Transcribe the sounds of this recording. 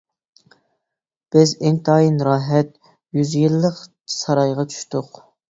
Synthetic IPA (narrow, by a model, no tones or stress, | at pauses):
b̥ɪzɪnt̪ʰɑːjinɾɑːɦɛt̪ | jyzjilˠːəq | sɑɾɑjʁɑt͡ʃʰy̥ʃt̪ʊq